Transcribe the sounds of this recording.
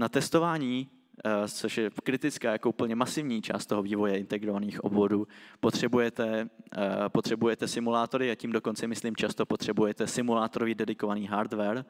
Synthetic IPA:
nat̪ɛst̪o̞vaːɲiː | t͡so̞ʃjɛkɾɪt̪ɪt͡skaːjako̞upl̩ɲɛmasɪvɲiːt͡ʃa̰ːst̪o̞ɦoviːvo̞jɛɪnt̪ɛɡɾo̞vaniːxʔo̞̰bvo̞duːpot̪r̝̥ɛbujɛt̪ɛ | po̞t̪r̥ɛbujɛt̪ɛsɪmulaːt̪o̞ɾɪaciːmdoko̞nt͡sɛmɪsliːmt͡ʃast̪opo̞t̪r̝̥ɛbujɛt̪ɛsɪmulaːt̪oɾovɪdɛdɪko̞vaniːɦaɾd̪vɛɾ

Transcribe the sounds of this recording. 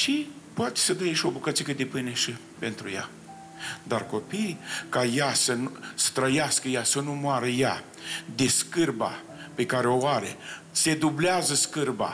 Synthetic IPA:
ʃi | poat̪e̥səd̪əjʃio̞bukət̪sikəd̪epɨneʃi | pe̞nt̪ɾuja̰ | d̪arko̞pijkajasənusə̥t̪ɾəjaskəjasənumwaɾəja | d̪e̞skɨrba̰ | pe̞kaɾeoaɾḛse̞d̪ubleazəskɨrba̰

